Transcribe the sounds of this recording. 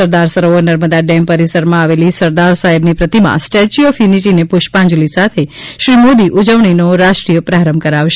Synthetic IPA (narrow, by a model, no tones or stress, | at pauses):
əɾd̪aɾsəɾoonəɾməd̪aɖɛmpəɾisəɾmãaʋelisəɾd̪aɾsaɦebnipɾət̪imã̰sʈɛt͡ʃiofjuniʈinepʊʃpãɲd͡ʒlisat̪ʰeʃɾimod̪iʔud͡ʒəʋɳ̃inoɾaʃʈɾijəpɾaɾəmkəɾaʋʃ